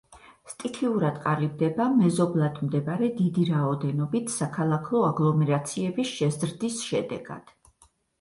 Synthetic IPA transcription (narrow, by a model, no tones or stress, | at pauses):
st̪ʼikʰiuɾad̪̥qʼalibd̪ɛbamɛzɔblˠad̪md̪ɛbaɾɛd̪id̪iɾaɔd̪ɛnɔbit̪ʰsakʰalˠakʰˠɔaɡlˠɔmɛɾat̪sʰiɛbisʃɛzɾd̪isʃɛd̪ɛ̰ɡ̥a̰d̪̥